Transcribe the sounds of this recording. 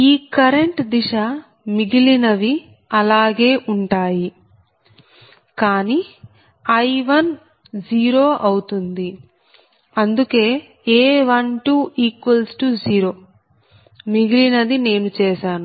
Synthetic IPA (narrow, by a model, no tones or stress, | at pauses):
iːkɐɾeɳʈd̪iʃa | miɡilinɐʋi | ɐlaːɡe̞ːʔuɳʈaːji | kaːni | ɐjʋɐn | d͡ʒiːɾo̞ːʔɐwut̪und̪i | ɐnd̪uke̞ː | eːʋɐɳʈuːʔiːkʋɐlsʈud͡ʒiːɾo̞ː | miɡilinɐd̪ine̞ːnut͡ʃɛːʃaːnu